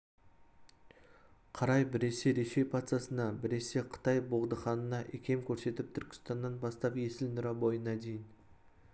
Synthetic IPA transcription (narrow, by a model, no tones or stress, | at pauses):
qʰɑɾɑjbɪɾe̞se̞ɾe̞ʃe̞jpʰat̪sesənɑbɪɾe̞se̞qʰə̥t̪ɑjboʁd̪əχɑnənɑʔekʲʰe̞mkʲʰɵɾse̞t̪ɪp̚t̪ʰʏɾkʲɪ̥st̪ɑnd̪ɑnbɑst̪ɑpjesɪlnʊɾɑbo̞jənɑd̪e̞jɪn